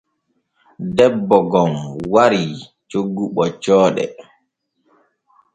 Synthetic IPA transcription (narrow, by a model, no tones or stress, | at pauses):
dɛbːɔɡɔmwaɾi | t͡ʃoɡːuɓɔt͡ʃɔːɗɛ̰